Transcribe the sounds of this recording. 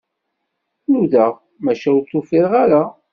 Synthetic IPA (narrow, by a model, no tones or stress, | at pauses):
nuða | mæʃæwt̪ˤːofiɾʁaɾa